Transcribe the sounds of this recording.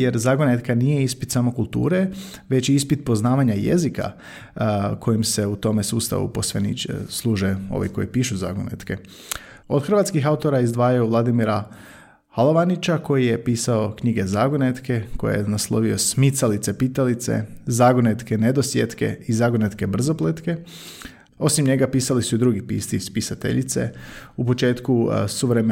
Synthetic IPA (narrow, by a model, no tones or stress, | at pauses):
je̞ɾzaɡonet̪kanije̞ispit̪samo̞kulˠt̪ṵːɾe | ʋe̞t͡ɕiispit̪̚po̞znaːʋaɲajḛzika̰ | kʰo̞jimse̞ut̪o̞me̞suːst̪a̰ʋṵpo̞sʋenḭt͡ʃslˠuːʒeo̞̰ʋḭko̞̰jḭpiːʃuza̰ɡonḛt̪ke̞ | o̞d̪xrʋat̪skixaut̪o̞ɾaizd̪ʋaːjaoʋlˠad̪imiɾa | halˠoʋanit͡ʃako̞jijepiːsao̞kɲiɡe̞zaɡonet̪ke̞kojḛjenaslˠo̞ʋio̞smit̪salit̪sepit̪alit̪sḛzaɡonet̪ke̞ned̪osjet̪ke̞̰izaɡonet̪ke̞br̩zo̞plet̪ke̞ | o̞simɲe̞ɡapiːsalisuid̪ɾuɡipḭːst̪iispisat̪ḛʎit̪se̞̰upo̞t͡ʃe̞ːt̪kusuʋɾem